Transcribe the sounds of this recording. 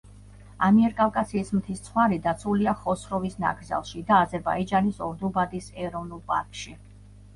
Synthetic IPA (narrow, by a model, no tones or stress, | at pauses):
amiɛɾkʼalˠkʼasiːsmt̪ʰist̪sʰχwaɾid̪at̪sʰuliaχɔsɾɔvisna̰ɡɾza̰lˠʃid̪aːzɛɾba̰id͡ʒanisɔɾd̪ubad̪isɛɾɔvnulˠpʼa̰ɾkʰʃi